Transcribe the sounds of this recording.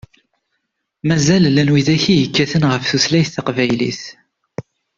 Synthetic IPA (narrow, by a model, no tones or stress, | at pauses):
mæzællænwiðæçijəkːæθənʁəfθuθlæjθθɑqvæjlḭθ